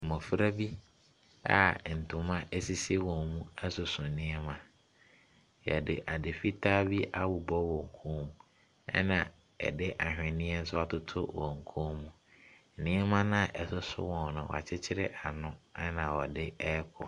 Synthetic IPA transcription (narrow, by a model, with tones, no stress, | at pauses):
mɔ̃˨fɾa˦bi˦ | a̰˨n̩˨tʰʊ̃˨mã˦ʔɛ˦si˦se˦wɔ̃˨mũ˦ɛ˦sʊ˨sʊ̃˨nɪ̃˦ɛ˦mã˨ | jɛ̰˨dɪ˨ʔa˨dɪ˨fi˦tʰaː˦bi˦ʔa˦˨wʊ˨bɔ˦wɔ˨ŋ̩˨kʰõː˦mũ˨ | ɛ̰˦nã˨ | ɛ̰˨dɪ˦ʔa˨ɦᶣɪ̃˨nɪ̃˦ɛ˦n̩˦sʊ˦a˨tʊ˦tʰʊ̰˦wɔ˨ŋ̩˨kʰõː˦mũ˨ | nɪ̃˦ɛ˦mã˦nã˦˨ʔɛ˨sʊ˦sʊ̰˦wɔ̃˨nʊ̃˨wɔ̰˨a̰˨t͡ɕʰɪ˦t͡ɕʰɪ˦ɾɪ˦ʔa˨nʊ̃˦ɛ˦nã˨wɔ˨dɪ˦ɛ˦kʰɔ̰˨